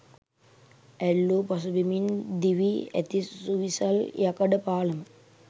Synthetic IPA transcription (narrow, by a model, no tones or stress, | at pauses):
ælːopɐsubimind̪iʋiæ̰t̪isuʋisaljakɐɖəpaːləmə